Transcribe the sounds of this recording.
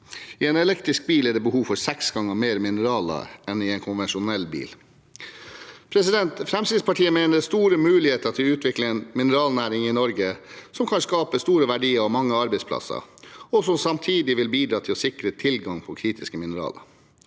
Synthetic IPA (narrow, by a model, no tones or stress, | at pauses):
ɪɛnɛlɛkt̪ɾɪsk̚biːlæɖɛːbəhuːʋfɔɾsɛksɡɑŋːəɾmeːɾmɪnəɾɑːlə̰ɛnɪɛnkʰʊnʋɛnʃʊnɛlːbḭːl | pʰɾɛsɪd̪ɛnt̪fɾɛmsiːd̪spɑʈʰiːəmeːnəɾst̪uːɾəmʉːlɪheːt̪ət̪ʰɪlʉːt̪ʋɪkləɛnmɪnəɾɑːlnæːɾɪŋɪnɔɾɡəsɔmkʰɑnskɑːpəst̪uːɾəʋæɖiːəɾɔmɑŋːəɑɾbɛɪspʰlɑ̰sə̰ɔsɔmsɑmt̪ʰiːd̪ɪʋɪlbiːd̪ɾɑːt̪ʰɪlɔsɪkɾət̪ʰɪlɡɑŋpʰɔkʰɾiːt̪ɪskəmɪnəɾɑ̰ːlə̰